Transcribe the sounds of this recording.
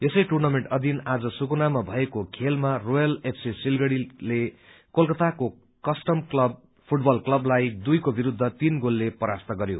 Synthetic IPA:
esʌjʈurnameɳʈʌd̪ʱinad͡zʌsukunamabʱʌekokʰelmarojʌlepʰsisilɡʌɽile | kolkʌt̪ako | kʌsʈʌmklʌb | pʰuʈbʌlklʌblajd̪ujkobiɾud̪ʱːʌt̪inɡolːepʌɾast̪ʌɡʌɾjo̰

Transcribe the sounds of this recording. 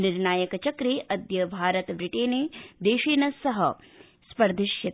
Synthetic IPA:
niɾnaːjɐkɐt͡ʃɐkɾeːʔɐd̪jɐbʱaːɾɐt̪ɐbɾiʈeːneːd̪eːʃeːnɐsɐɦɐ | spɐɾd̪ʱiʃjɐt̪

